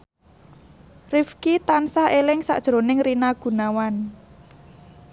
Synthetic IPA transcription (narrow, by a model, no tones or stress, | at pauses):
rifkit̪ansaelɪŋsa̰ʔd̥ʒ̥ɾo̤nɪŋrinaɡ̥ṳnawan